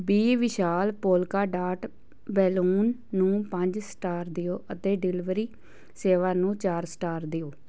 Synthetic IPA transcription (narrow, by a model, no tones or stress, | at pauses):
biːʋɪʃaːlpoːlkaːɖaːʈ | bɛːluːnːũːpəɲd͡ʒsʈaːɾd̪ɪjoːʔət̪eːɖɪlɪʋɾiː | seːʋaːnũːt͡ʃaːɾsʈaːɾd̪ɪjoː